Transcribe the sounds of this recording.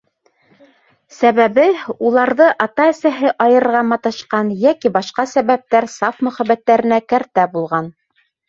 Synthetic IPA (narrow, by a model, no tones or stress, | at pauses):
sæβæβɘulˠɑɾðɤʔɑt̪ɑɘ̆sæɦɘʔɑjɤ̆ɾɤɾʁɑmɑt̪ɤ̆ʃqɑnjækibɑʃqɑsæβæp̚t̪æɾsɑfmɵ̆χæbːæt̪ːæɾɘ̆nækæɾt̪æbulˠʁɑn